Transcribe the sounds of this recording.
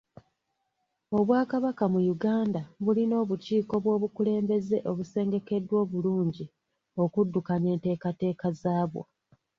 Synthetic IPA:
o̞βwaːkaβakamujuɡaːndaβulino̞ːβuciːko̞βwo̞ːβukule̞ːmbe̞ze̞ʔo̞βuse̞ːŋɡe̞ke̞dːwo̞ːβuluːɲɟi | o̞kudːukane̞ːnte̞ːkate̞ːkazaːβwo̰

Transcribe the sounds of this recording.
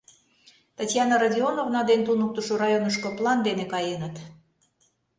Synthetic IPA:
t̪ɑtʲjɑnɑɾɑdʲionovnɑd̪ent̪unuk̚t̪əʃoɾɑjonəʃkŏplˠɑnd̪enekɑjenət̪

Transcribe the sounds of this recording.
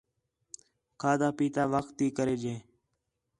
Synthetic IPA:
kʰaːd̪aːpiːt̪aːʋəkt̪ːiːkəɾeːd͡ʒeː

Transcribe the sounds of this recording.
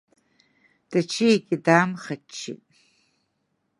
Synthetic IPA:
d̥ɐt͡ʃʰijeɡʲɪdaːmχɐt͡ʃʰːḭtʼ

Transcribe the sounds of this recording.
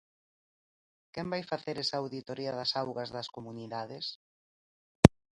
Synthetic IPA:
kɛmbajfaθeɾɛsaːwðit̪oɾiɐðɐsawɣɐzðɐskomuniðaðes

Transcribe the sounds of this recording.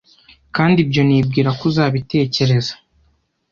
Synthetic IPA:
kaːndibjo̞niːbɡiːɾakuzaːβite̞ːce̞ɾe̞zḁ

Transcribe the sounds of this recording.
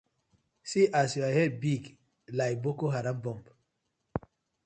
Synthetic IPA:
siʔasiahɛbiɡ | lajbokoɦaɾabɔ̃mb

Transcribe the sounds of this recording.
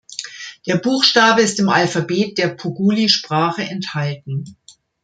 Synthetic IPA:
d̥eːɐbuːxʃtaːbəɪstɪmʔalfabeːt̚d̥eːɐpʰuɡuːliʃpʁ̥aːχəʔɛnthaltn̩

